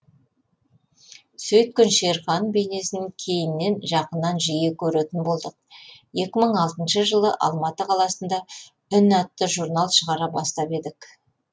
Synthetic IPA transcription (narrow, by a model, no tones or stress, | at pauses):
sɵjt̪̚kʲʏnʃeɾχɑnbe̞ne̞sɪnɪkʲʰe̞jɪnːe̞nʒɑqənːɑnʒije̞kʲʰɵɾet̪ɪnbo̞lˠd̪əq̚je̞kʲɪməɴɑlˠt̪ənʃəʒəlˠəʔɑ̰lˠmɑt̪əqʰɑlˠɑsənd̪ɑ | ʏnæt̪ːəʒuɾnɑlˠʃəʁɑɾɑbɑst̪ɑpe̞d̪ɪk